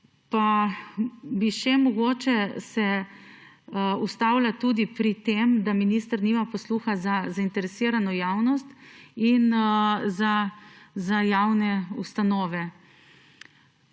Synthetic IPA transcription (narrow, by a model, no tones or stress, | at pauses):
pa | biʃɛmɔɡoːt͡ʃɛsɛ | ust̪awlat̪ud̪ipɾit̪emd̪aminist̪əɾnimapɔsluːxazazaint̪ɛɾɛsiːɾanɔjaːwnɔst̪inzazajawnɛust̪anɔːʋɛ